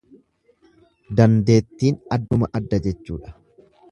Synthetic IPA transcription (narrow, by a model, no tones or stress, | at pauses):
d̪ɐnd̪e̞ːt̪ːiːnɐd̪ːʊmɐʔɐd̪ːɐd͡ʒɛt͡ʃːuːᶑɐ̥